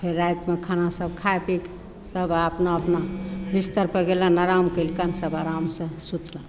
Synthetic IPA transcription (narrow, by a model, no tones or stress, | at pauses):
pʰeɾːajt̪mekʰanasəbkʰaepik | səbəpnaəpnabʱist̪əɾpəɡelãnaɾamkəlkənsəbaɾamsə̃sut̪ʰlã